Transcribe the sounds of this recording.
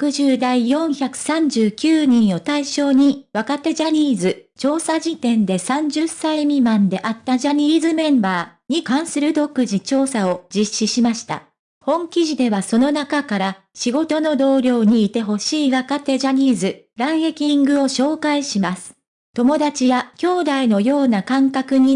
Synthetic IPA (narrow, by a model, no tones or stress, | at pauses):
kɯ̟ʑɨːd̪aijõ̞ɰ̃çakɯ̟̥sãɲ̟d͡ʑɨːkʲɨːɲ̟ĩɰ̃o̞t̪aiɕo̞ːɲ̟iβakat̪e̞ʑaɲ̟iːzɨt͡ɕo̞ːsaʑit̪ẽ̞nd̪e̞sãɲ̟d͡ʑɨsaimʲimãnd̪e̞ʔat̪ːaʑaɲ̟iːzɨmẽ̞mbaːɲ̟ikãɰ̃sɨɾɯ̟d̪o̞kɯ̟ʑit͡ɕo̞ːsao̞d͡ʑiɕːiɕimaɕi̥t̪a̰ | hõ̞ŋkʲiʑid̪e̞βaso̞no̞nakakaɾa | ɕiɡo̞t̪o̞no̞d̪o̞ːɾʲo̞ːɲ̟iːt̪e̞ɦo̞ɕiːβakat̪e̞ʑaɲ̟iːzɨɾãɰ̃he̞kʲĩŋɡɯ̟o̞ɕo̞ːkaiɕimasɨ̥ | t̪o̞mo̞d̪at͡ɕijakʲo̞ːd̪aino̞jo̞ːnakãŋkakɯ̟ɲ̟i